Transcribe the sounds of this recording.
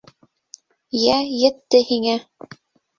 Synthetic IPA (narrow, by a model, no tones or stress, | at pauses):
jæjɘ̆t̪ːɘhiŋæ